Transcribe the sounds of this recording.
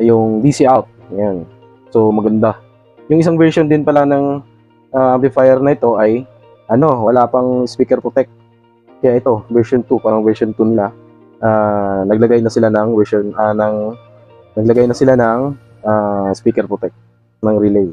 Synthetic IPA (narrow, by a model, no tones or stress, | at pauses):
jʊŋd̪iːsiʔawt̪̚ɐjan | so̞mɐɡɐnd̪a | jʊŋʔɪs̬aŋvɛɹʃond̪ɪnpɐlanɐŋ | ʔaʔamplɪfajɛɾnɐʔɪt̪o̞ʔɐj | ʔɐno̞wɐlaːpɐŋspiːkɛɾpɹot̪ɛk̚t̪̚ | kɐjaʔɛt̪o̞vɛɹʃont̪upaɾɐŋvɛɹʃont̪unɪla | ʔanɐɡ̚lɐɡajnɐsɪlanɐŋvɛɹʃonʔanɐŋ | nɐɡ̚lɐɡajnɐsɪlanɐŋ | ʔaːspiːkɛɾpɹot̪ɛk̚t̪ | nɐŋɾɪlɛj